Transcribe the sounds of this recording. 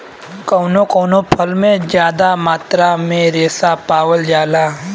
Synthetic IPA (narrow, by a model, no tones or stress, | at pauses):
koːnõkoːnõpʰɐlmẽd͡ʒjaːd̪amaːt̪ɾamẽɾeːsapaːʋəld͡ʒaːlaː